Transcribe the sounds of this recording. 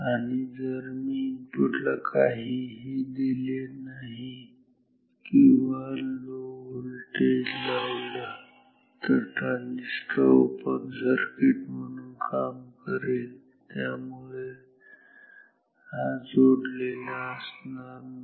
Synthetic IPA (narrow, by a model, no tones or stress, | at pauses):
aɽid͡zəɾmiːnpuɽlakʰaɦiɦid̪ilenaɦi | kĩʋaloəlʈelawla | t̪əɾʈanisʈa̰opənsəɾkeʈm̤əɽ̃ũːnkamkəɾel | t̪jamuɭe | ɦad͡zoɽlelaəsnaɾ